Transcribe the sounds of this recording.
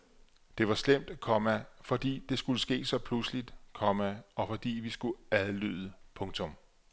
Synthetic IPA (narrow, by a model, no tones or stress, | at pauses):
d̥e̝ʋɑ̈slem̰d̥ækʰɒ̽mæfɒ̽d̥ḭːd̥e̝sɡ̥uləsɡ̥e̝̰ːsɒ̽pʰlusəlid̥kʰɒ̽mæɒ̽fɒ̽d̥ḭːʋisɡ̥uæðˠlyð̞ˠəpʰɔ̽ŋt͡sʰɔ̽m